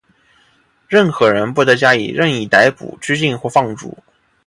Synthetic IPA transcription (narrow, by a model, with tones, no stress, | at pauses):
ɻə˥˩nxɤ˧˥ɻə˧˥npɔ˧˥˩t̪ɤ˧˥t͡ɕja˥ḭ˨˩ɻə˥˧ni˨˩t̪a˧˥ɪpṵ˨˩˦ʈ͡ʂɻ̩˥t͡ɕi˥˧nxwɔ˥˧fɑ˥˧ŋʈ͡ʂṵ˨˩˦